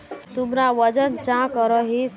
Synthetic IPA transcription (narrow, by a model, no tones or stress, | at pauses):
t̪umɾaʋəd͡ʒənt͡ʃãkɔɾɔɦis